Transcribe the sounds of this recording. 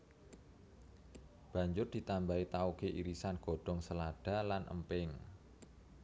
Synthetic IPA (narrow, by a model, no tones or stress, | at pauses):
b̥a̤ɲd͡ʒʊrd̪̥i̤t̪ambait̪aukeʔiɾisanɡ̥o̤ɖ̥ɔ̤ŋsəlad̥a̤lanʔə̰mpɪŋ